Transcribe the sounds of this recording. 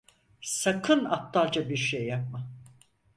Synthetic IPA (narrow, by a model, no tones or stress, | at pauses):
sakʰɯnap̚t̪ʰalˠd͡ʒabiɾʃejːap̚ma